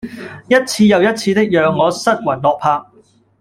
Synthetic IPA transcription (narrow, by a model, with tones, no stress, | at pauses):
jɐ˥t̚t͡sʰiː˧jɐ˨˧wjɐ˥t̚t͡sʰiː˧t̪ɪ˥k̚jœː˨˧ŋːɔː˨˧sɐ˥t̚wɐ˨˩jlɔː˨k̚pʰaː˧k̚